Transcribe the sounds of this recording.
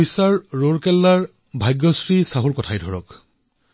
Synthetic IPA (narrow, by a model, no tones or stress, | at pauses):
isaɹɹoɹkɛlːaɹ | bʱajɡːɔsɹisaɦuɹkɔtʰajdʱɔɹɔ̰k